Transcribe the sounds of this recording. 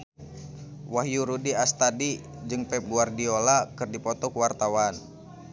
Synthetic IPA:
wahjuɾudiast̪adi | d͡ʒɨŋpɛp̚ɡuardiolakɨrdipɔt̪ɔkuwart̪awan

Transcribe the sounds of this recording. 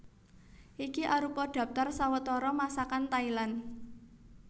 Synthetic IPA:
ʔikiʔaɾupɔɖ̥ä̤p̚t̪arsawət̪ɔɾɔmasakant̪ailan

